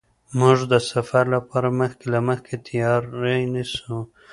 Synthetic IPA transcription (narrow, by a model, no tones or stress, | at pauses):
mʊʐd̪əsafaɾlapɑɾaməxkelaməxket̪ʰijɑɾːenisu